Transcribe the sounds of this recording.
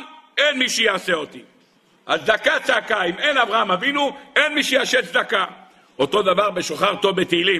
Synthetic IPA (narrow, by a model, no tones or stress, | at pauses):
enmiʃejaːseo̞t̪i | ʔazd̪akat͡saːkaimenavʁaamavinuenmiʃejaʃeszd̪aka | ot̪o̞d̪avaʁbe̞ʃo̞χaʁt̪ovbet̪eilim